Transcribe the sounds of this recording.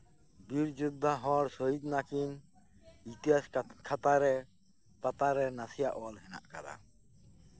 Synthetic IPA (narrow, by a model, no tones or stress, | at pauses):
biɾd͡ʒud̪ʱːaɦɔɽsɔɦid̪nakin | it̪iɦaskʰat̪aɾɛ | pat̪aɾɛnasija̰ʔɔlɦɛna̰ʔkad̪a̰